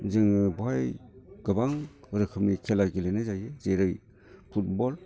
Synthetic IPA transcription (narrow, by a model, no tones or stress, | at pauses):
zɯŋɯbajɡɯbaŋ | ɯɾɯkʰɯmnikʰelaɡilenɯzajɯzeɾɯj | pʰut̚bɔl